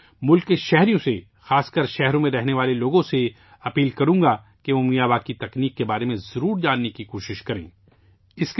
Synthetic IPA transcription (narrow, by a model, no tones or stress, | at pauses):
mʊlkːeʃɛɦɾijõse | xaːskəɾʃɛɦɾõmẽɾɛɦneʋaːleloːɡõse | ɐpiːlkɐɾũːɡa | keʋomĩjaːʋaːkit̪ɐkniːkːebaːɾemẽzɐɾuːɾd͡ʒaːnːekikoːʃɪʃkɐɾḛ̃ː | ɪsk